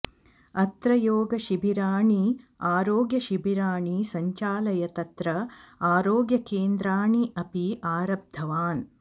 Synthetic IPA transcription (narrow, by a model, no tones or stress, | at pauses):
ɐt̪ɾɐjoːɡɐʃibʱiɾaːɳiaːɾoːɡjɐʃibʱiɾaːɳisɐɲt͡ʃaːlɐjɐt̪ɐt̪ɾɐaːɾoːɡjɐkeːnd̪ɾaːɳiʔɐpiaːɾɐb̚d̪ʱːɐʋaːn